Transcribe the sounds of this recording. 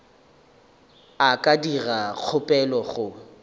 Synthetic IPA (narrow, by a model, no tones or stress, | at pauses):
akʼadirak͡xʰʊpʼɛlɔχʊ